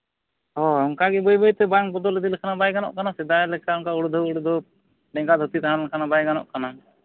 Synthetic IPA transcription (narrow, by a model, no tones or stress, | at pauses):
ɦɔɔŋkaɡɛbɔjbɔjt̪ɛbaŋbɔd̪ɔlɛd̪ilɛkʰanabajɡanɔ̰ʔkanasɛd̪aɛlɛkaɔŋkauɽud̪ʱɔuɽud̪ʱɔ | ɖɛŋɡad̪ʱut̪it̪aɦãnlɛkʰanabajɡanɔ̰ʔkana